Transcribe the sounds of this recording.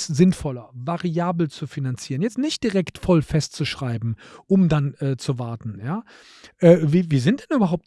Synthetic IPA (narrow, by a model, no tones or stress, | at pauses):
szɪnfɔlɐvaʁiaːbl̩t͡sufinant͡siːʁənjɛt͡stnɪçtd̥iʁɛktfɔlfɛstt͡suʃʁ̥aɪbm̩ʔʊmdanʔɛːt͡suvaɐtn̩jaː | ʔɛːviːviːzɪntd̥ɛnyːbɐɦaʊp̚t